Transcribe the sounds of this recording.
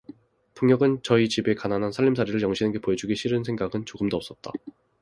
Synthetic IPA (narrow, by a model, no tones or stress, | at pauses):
puŋɲjʌɡɯnt͡ɕʌit͡ɕibe̞kananɦansʰaʎːimsʰaɾiɾɯɭjʌŋɕʰinɯnɡe̞poed͡ʑuɡiɕʰiɾɯnsʰeŋɡaɡɯnt͡ɕoɡɯmdoʌps͈ʌt̚t͈a